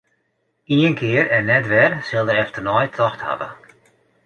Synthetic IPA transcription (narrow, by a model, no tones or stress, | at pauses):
iənkʰɪːɾɛnːɛtʋɛrsɪlˠdəɾɛftərnɔjtʰɔxtha̰və̰